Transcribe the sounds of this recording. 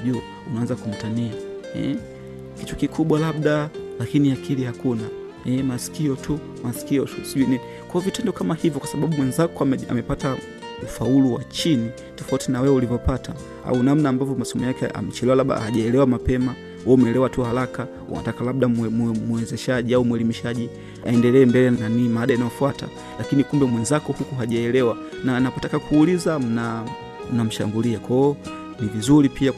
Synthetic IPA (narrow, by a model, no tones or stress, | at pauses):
ʄu | unaanzakum̩taniaɛ̰ | kit͡ʃɔkikuɓwalab̚ɗalakiniakʰilihakuna | ɛmasi̥kiɔtʰu | masi̥kiɔtusiʄuinini | kɔɔvitɛndɔkamahivjɔkwasaɓaɓumwɛnzakɔaɛa̰mɛpata | ufauluwat͡ʃini | tɔfautinawɛɛulivɔpata | a̰unam̩naːmbavjɔmasɔmɛjakɛa̰mɛt͡ʃɛlɛwalaɓa̰haʄaɛlɛwamapɛma | wɔmɛlɛwatuhalaka | ṵna̰takalaɓɗamuwɛzɛʃaʄiaumwɛlimiʃaʄi | aɛndɛlɛːmbɛlɛnanimaaːɗajinajɔfuwata̰ | lakinikumbɛmwɛnzakɔhukuɦaʄaɛlɛwa | nanapɔtakakuːlizam̩na | m̩nam̩ʃa̰ŋɡuliakwɔː | nivizuɾipʰia